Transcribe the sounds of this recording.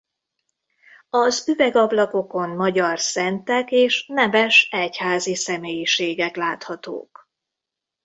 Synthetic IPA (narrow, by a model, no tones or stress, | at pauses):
ɒzyvɛɡɒblɒko̞ko̞nmɒɟɒrsɛnt̪ɛkeːʃnɛvɛʃɛchaːzisɛmeːjiʃeːɡɛklaːt̪hɒt̪o̰ːk